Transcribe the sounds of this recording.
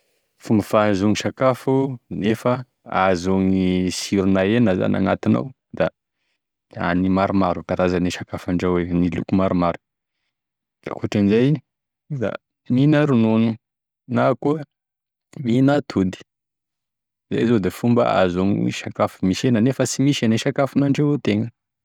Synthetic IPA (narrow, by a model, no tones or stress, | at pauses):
fumbəfazoŋiʃakafunefə | azoŋisiɾunaenəza̰na̰ŋat̪ina̰w | d̪̥a | a̰nimaɾumaɾupaɾazaniʃakafaɳɖ͡ʐawenilṵkumaɾumaɾu̥ | d̪̥a̰kuʈ͡ʂanizajii | d̪a̰ | minaɾununu | nako | minat̪ʰud̪i̥ | za̰jzod̪efumbə̰a̰zoŋḭmḭʃakafumiʃenənefəsimiʃaneʃakafunaɳɖ͡ʐawet̪eŋə